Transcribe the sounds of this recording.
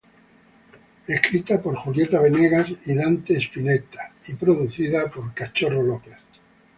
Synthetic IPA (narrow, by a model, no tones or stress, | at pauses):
e̞hkɾit̪apo̞ɾxuljet̪aβ̞eneɣasiðant̪eːspinet̪ḁipɾoðuθiðapo̞ɾkat͡ʃo̞rolopeθ